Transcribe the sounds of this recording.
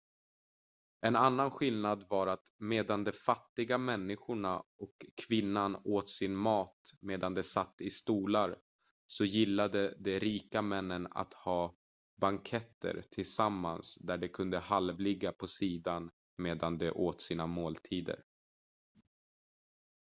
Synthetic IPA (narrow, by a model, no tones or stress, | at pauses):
ɛnanːanɧɪlnad̪vaɾat̪meːd̪and̪ɔfat̪ːɪɡamɛnːɪɧʊɳaɔkʰːvɪnːanoːt̪sɪnmɑːt̪meːd̪and̪ɛsat̪ːɪst̪uːlaɾ | sɔjɪlːad̪əd̪ɛɾiːkamɛnːəna̰t̪hɑː | baŋkʰɛt̪ːə̰ɾt̪ʰɪlsamːansd̪æɖɛkʰɵnd̪əhalvlɪɡːapʰɔsiːd̪an | meːd̪and̪ɛʔoːt̪siːnamoːlt̪ʰiːd̪ə̰ɾ